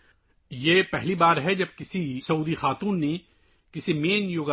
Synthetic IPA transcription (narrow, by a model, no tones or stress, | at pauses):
jeːpɛɦlibaːɾɦɛd͡ʒɐb̚kɪsisɐuːd̪ixaːt̪uːnːe | kɪsimeːnjoːɡa